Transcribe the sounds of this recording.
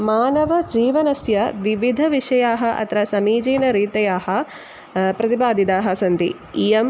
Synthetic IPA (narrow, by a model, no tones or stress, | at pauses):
maːnɐʋɐd͡ʒiːʋɐnɐsjɐʋiʋid̪ʱɐʋiʂɐjaːɦɐʔɐ̰t̪ɾɐsɐmiːd͡ʒiːnɐɾiːt̪ɐjaːɦɐ̆ | pɾɐt̪ibaːd̪ʱit̪aːɦɐ̆sɐnd̪ḭ | ijɐm